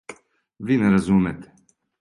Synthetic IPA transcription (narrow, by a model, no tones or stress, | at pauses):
vinɛɾɐzuːmɛt̪ɛ̥